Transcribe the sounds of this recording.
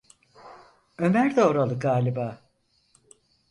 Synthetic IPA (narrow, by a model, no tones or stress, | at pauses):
ø̞mæɾd̪ɛoɾalˠɯɡaːlʲibaː